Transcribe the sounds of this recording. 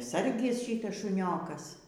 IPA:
ˈsɐrʲɡʲɪs ˈʃʲiːtɐs ʃʊˈnʲoːkɐs

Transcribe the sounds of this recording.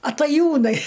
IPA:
ɐtɐˈjuːnɐɪ

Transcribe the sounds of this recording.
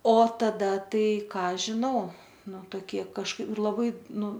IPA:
oː tɐˈdɐ ˈtɐɪ ˈkɑː ʒʲɪˈnɐʊ ˈnʊ toːˈkʲiɛ kɐʃˈkɐɪp lˠɐˈbɐɪ ˈnʊ

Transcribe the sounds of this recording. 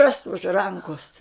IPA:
rɐs ʊʃ ˈrɐŋkoːs

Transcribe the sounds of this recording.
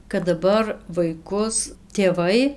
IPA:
kɐt dɐˈbɐr ʋɐɪˈkʊs tʲeːˈʋɐɪ

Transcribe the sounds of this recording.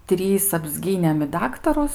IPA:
ˈtʲrʲiːs ɐbʲzʲˈɡʲiːnʲeːm ɪ ˈdɑːktɐrʊs

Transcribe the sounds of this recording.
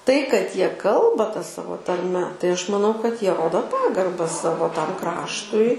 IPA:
tɐɪ kɐt ˈjiɛ ˈkɐlˠbɐ tɐ ˈsɑːʋoː tɐrʲˈmʲɛ tɐɪ ˈɐʃ mɐˈnɐʊ kɐt ˈjiɛ ˈroːdoː ˈpɑːɡɐrbɐ ˈsɑːʋoː ˈtɐm ˈkrɑːʃtʊɪ

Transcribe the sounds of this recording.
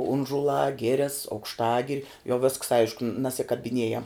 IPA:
ˈʊnʒʊlˠɑː ˈɡʲɪrʲɛs ɐʊkʃˈtɑːɡʲɪrʲɪ jɛʊ ʋʲɪsks ˈɐɪʃkʊ nɐsʲɪkɐbʲɪˈnʲeːjɛm

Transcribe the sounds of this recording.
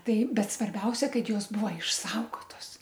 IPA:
ˈtɐɪ ˈbʲɛt sʋɐrʲˈbʲɛʊsʲɛ ˈkɐt ˈjoːs ˈbuːʋɐ ɪʃˈsɐʊɡoːtoːs

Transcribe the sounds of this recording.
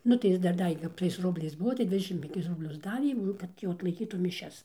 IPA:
ˈnʊ tɐɪ ˈjɪs dɐr ˈdɑːʋʲeː kɐp tɐɪs ˈrʊbʲlʲɛɪs ˈbʊʋoː tɐɪ ˈdʲʋʲɪdʲɛʃʲɪm pʲɛŋʲˈkʲɪs rʊbʲˈlʲʊs ˈdɑːʋʲeː ˈnʊ ˈkɐt jɛʊ ɐtlˠɐɪˈkʲiːtuː mʲɪˈʃʲɛs

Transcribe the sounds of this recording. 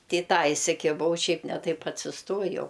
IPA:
ˈtʲɪ ɪ ˈtɑː ɪsʲɪkʲɪˈbɐʊ ˈʃʲɛɪp nʲɛ ˈtɐɪp ɐtʲsʲɪsˈtoːjɛʊ

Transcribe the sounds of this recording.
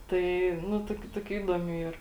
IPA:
tɐɪ ˈnʊ ˈtoːkʲʊ ˈtoːkʲʊ ˈiːdoːmʲuː ˈiːr

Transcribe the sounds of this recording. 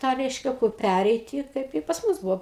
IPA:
ˈtɑː ˈrʲɛɪʃʲkʲɛ kʊr ˈpʲærʲɛɪtʲɪ ˈkɐɪp ɪ pɐs ˈmʊs ˈbʊʋoː

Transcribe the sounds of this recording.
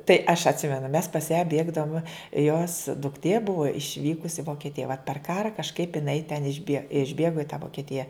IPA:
tɐɪ ɐʃ ɐtʲˈsʲɪmʲɛnʊ mʲɛs pɐs jæː ˈbʲeːɡdɐʋʊmʲɛ joːs dʊkˈtʲeː ˈbʊʋɐ ɪʃʲˈʋʲiːkʊs ɪ ʋoːkʲɛˈtʲɪjɛ ʋoːt pʲɛr ˈkɑːrɐ kɐʃˈkɐɪp jɪˈnɐɪ tʲɛn ɪʒʲˈbʲiɛ ɪʒʲˈbʲeːɡoː ɪ tɑː ʋoːkʲɛˈtʲɪjɛ

